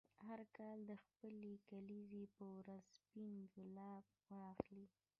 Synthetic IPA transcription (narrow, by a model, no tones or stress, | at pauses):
haɾkɑld̪əxpəlekalizepəwɾazspinɡʊlɑb | wɑxli